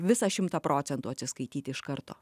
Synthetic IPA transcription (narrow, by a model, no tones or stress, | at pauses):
ʋʲɪsɑʃʲɪmt̪ɑːpɾʔoːt̪sʲɛnt̪uːɐtʲsʲɪskɐɪt̪ʲiːt̪ʲɪɪʃkɐɾt̪o̰ː